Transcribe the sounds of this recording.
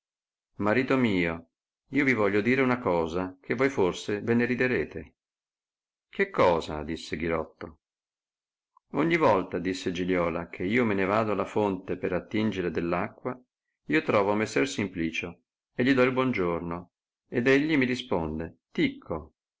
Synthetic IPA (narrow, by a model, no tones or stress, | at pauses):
maɾiːt̪omiːo | iːovivɔʎːod̪iːɾeunakɔːzakʰevːojforseveneɾid̪eɾeːt̪e | kekːɔːza̰d̪isːeɡiɾɔt̪ːo | oɲːivɔlt̪ad̪isːed͡ʒiʎjɔːlakʰeiːomenevaːd̪oalafont̪epeɾat̪ːind͡ʒeɾed̪elːakːwa | iːot̪ɾɔːvoamesːɛrsimpliːt͡ʃo | eʎːid̪ɔilbwɔnd͡ʒorno | ed̪eʎːimiɾispond̪et̪ikʰːo